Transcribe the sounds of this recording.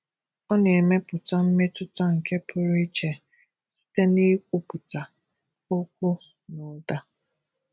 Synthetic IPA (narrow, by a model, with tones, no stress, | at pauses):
ɔ˦ne˨me˦pʊ˨ta˦m̩˦me˦tʊ˦ta˦ŋ̩˨ke˦pʰʊ˦ɾi˦t͡ʃe˨ | si̥˦te˦ni˦k̚ʷu˦pʊ˨ta˨ | o˦kʷʊ˦ | nʊ˨da˦